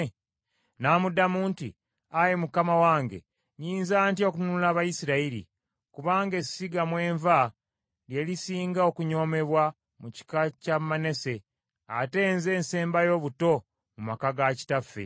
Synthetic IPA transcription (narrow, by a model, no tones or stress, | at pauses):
naːmudamuːntḭ | ajemukamawaːŋɡe̞̰ | ɲiːnzaːntio̞kunuulaːβajisiɾaiɾḭ | kuβaːŋɡe̞siɡamwe̞ːɱva | lje̞lisiːŋɡao̞kuɲo̞ːme̞βwa | muci̥kacamːane̞se̞ | a̰te̞ːnze̞ːnse̞ːmbajo̞βuto̞ | mumakaɡaci̥tafːḛ